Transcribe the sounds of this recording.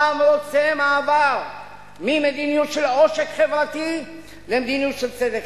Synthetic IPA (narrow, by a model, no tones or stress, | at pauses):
amʁot͡semaːvaʁ | mimed̪inijut̪ʃeloʃekχevʁat̪i | lemd̪inijut̪ʃelt͡sed̪ek